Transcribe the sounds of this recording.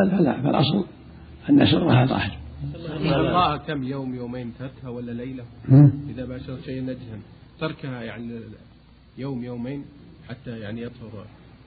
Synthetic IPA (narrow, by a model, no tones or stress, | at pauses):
alfala̰fɪ̰lʔɑ̰sˤl | ʔanːa̰sʊrˤːɑhat̪ˤɑ̰ːħɪɾʔɪaqˤɑːʔakamːjoːmjoːmeːnt̪ɑɾˤkhawalːalejlah̩ʔɪðabaːʃɑɾˤʃeːʔnad͡ʒhamt̪ɑɾˤkhajaʕni | joːmjoːmeːn | ħat̪ːajaʕniʔɑt̪ˤhʊɾ